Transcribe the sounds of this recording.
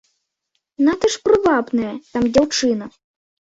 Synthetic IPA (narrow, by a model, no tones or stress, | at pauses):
nat̪ɐʂpɾɨvabnɐjɐt̪amd͡zʲawt͡ʂɨnɐ